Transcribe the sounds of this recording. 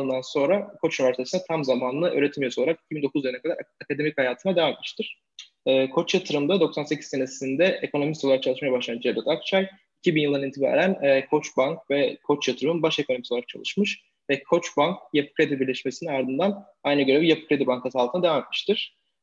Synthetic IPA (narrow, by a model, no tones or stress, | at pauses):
ɯnd̪anso̞nɾakʰo̞t͡ʃynivæɾsit̪ʰesinɛt̪ʰamzamaːnlˠɯʔø̞̰ːɾet̪ʰimijosolˠaɾaki̥cʰibind̪o̞kuzjɯlˠnɛkad̪aɾakʰad̪e̞michajaːt̪ʰɯnad̪evamet̪̚mi̥ʃt̪ʰiɾ̥ | ɛːkʰo̞t͡ʃjat̪ʰɯɾɯmd̪ad̪o̞ksanse̞cʰi̥zse̞nesind̪ɛekʰo̞no̞misolˠaɾakt͡ʃaɯʃmajabaʃlˠand͡ʒed̪ɛt̪ak̚t͡ʃʰaj | icʰibinjɯlˠd̪anint̪ʰiba̰ɾænːkʰo̞t͡ʃbaŋk̚vɛkʰo̞t͡ʃjat̪ʰɯɾɯmɯnbaʃe̞kʰo̞nomisoaɾak̚t͡ʃʰalˠɯʃmɯʃ | vɛkʰo̞t͡ʃbaŋk̚jepʰɯ̥kɾed̪ibiɾlʲɛʃmesininaɾd̪ɯnd̪an | ajnɯɡøɾebijapɯ̥kɾed̪ibaŋkʰasalˠt̪ʰɯnad̪evamet̪mi̥ʃt̪ʰiɾ̥